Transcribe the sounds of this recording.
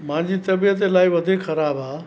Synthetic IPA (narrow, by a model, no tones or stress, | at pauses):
mãd͡ʒit̪əbijət̪̬elajbəd̪ʱekʰəɾabʱa